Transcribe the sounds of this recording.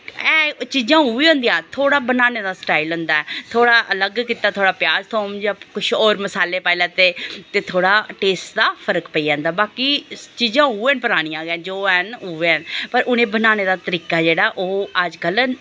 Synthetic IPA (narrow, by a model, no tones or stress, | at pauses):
ɛːt͡ʃiːzãːuːʋiːɦõːnd̪ijãːt̪ʰoːɽaːbənaːneːd̪aːsʈaːilɦʊ̃nd̪aːɛːt̪ʰoːɽaːʔələɡkiːt̪aːt̪ʰoːɽaːpjaːzt̪ʰoːmd͡ʒakʊʃʰɔːɾməsaːleːpaːilaːt̪eːt̪eːt̪ʰoːɽaːʈeːsʈd̪aːpʰəɾəkpəiːd͡ʒãːnd̪aːbaːkit͡ʃiːd͡ʒãːuːɛnpəɾaːɽ̃ĩãːɡɛ̃ːd͡ʒoːənuːʋeənpəɾʔʊnẽːbənaːneːd̪aːt̪əɾiːkaːd͡ʒeːɽaːʔoːəd͡ʒkəl